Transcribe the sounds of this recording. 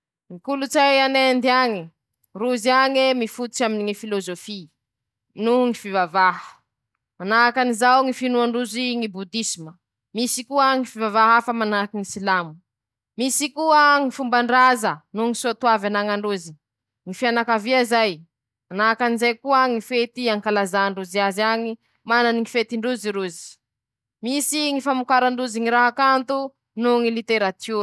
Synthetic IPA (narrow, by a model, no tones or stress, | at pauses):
mikulut͡sajanend̪iaŋi | ruziaŋemifut̪u̥t͡ʃaminiŋifilozofi | nuŋifivavaɦə̥ | manakanizawŋifinuaɳɖ͡ʐuziŋibud̪isimə | misikuəŋifivavaɦafəmanakiŋisilamu̥ | misikuəŋifumbaɳɖ͡ʐazənuŋisot̪uavanaŋaɳɖ͡ʐuzi | ŋifianakaviazaj | manakanizajkuəŋifet̪iaŋkalazaɳɖ͡ʐuziaziaɲi | mananiŋifet̪iɳɖ͡ʐuziɾuzi̥ | misiŋifamukaɾaɳɖ͡ʐuziŋiɾaɦakant̪u | nuŋilit̪eɾat̪ʰu